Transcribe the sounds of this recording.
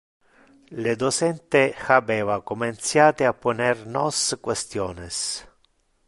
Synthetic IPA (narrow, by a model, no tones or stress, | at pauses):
led̪osɛnt̪exabɛːvakoment̪sjaːt̪eapːonernɔskwest̪jɔːnes